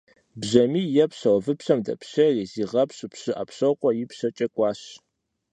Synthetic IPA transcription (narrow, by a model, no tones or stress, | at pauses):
bʑɐmiːjɛpɕɐwɔvɨpɕɐmdɐ̰pʰɕɐriːziːʁɐpɕʼɨpɕɨʔɐ̰pɕɐwqʷʼɔjɪpɕɐt͡ʃʼɐkʷʼɑːɕ